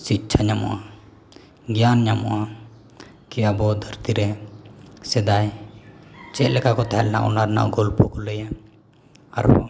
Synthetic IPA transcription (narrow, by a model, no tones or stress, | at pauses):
sit̚ːt͡ʃʰaɲamɔ̰ʔa | ɡjanɲamɔ̰ʔa | kɛwjabɔd̪ʱəɾt̪iɾɛ | sɛd̪aj | t͡ʃɛʔlɛkakɔt̪aɦɛlɛna̰ʔɔ̰naɾna̰ʔɡɔlpɔkɔləjɛ | a̰ɾbɔ